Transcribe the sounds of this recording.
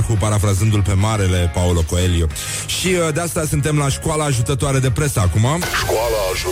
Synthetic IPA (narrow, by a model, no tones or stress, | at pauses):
kupaɾafɾazɨnd̪ulpe̞maɾe̞le̞paulo̞ko̞e̞ljo | ʃiəd̪east̪asɨnt̪e̞mlaʃkualaːʒut̪ət̪oaɾe̞d̪e̞pɾe̞səːkumaʃkwalaːʒ